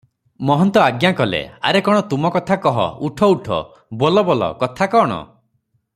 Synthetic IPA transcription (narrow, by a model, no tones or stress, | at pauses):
mɔɦɔnt̪ɔaɡjakɔlḛa̰ɾekɔɽ̃ɔt̪umɔkɔt̪ʰakɔɦɔ̰uʈʰɔuʈʰɔ̰ | bolɔbɔlɔ̰kɔt̪ʰakɔɽ̃ɔ̰